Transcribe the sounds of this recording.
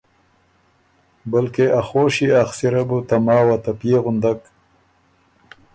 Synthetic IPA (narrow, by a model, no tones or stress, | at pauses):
balkeʔaxoːʃiaxsiɾabut̪amɑːwat̪apjeɣʊnd̪ak